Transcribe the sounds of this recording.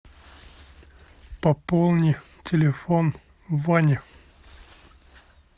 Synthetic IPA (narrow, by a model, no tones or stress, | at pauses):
pɐpolˠnʲɪj | tʲʰɪlʲɪfon | vanʲɪ